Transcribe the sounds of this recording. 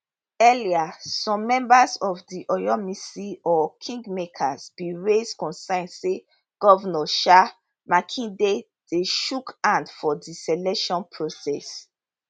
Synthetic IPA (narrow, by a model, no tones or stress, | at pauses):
ɛliasɔ̃mːɛ̃mbazɔvdiʔɔjɔmisiɔkʰĩŋɡmekʰazbiɹeskɔ̃nsãndse | ɡ̥ɔvnɔʃa | makʰĩde | d̥eʃukãndfɔdisɛlɛkʃɔ̃npʰɹosɛs